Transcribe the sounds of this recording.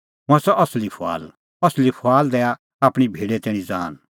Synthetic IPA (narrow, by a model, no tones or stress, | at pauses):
ɦʊ̃ɛ̃sɔʔɐslipʰoa̰ːl | ɐslipʰoaːld̪ɛːa | aːpɽ̃ibʱiːɽet̪ɛːɽ̃ĩd͡za̰ːn